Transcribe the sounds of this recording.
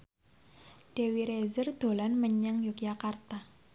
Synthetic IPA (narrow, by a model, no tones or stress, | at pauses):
d̥ewiɾezərd̪̥o̤lanməɲəŋjukjakart̪a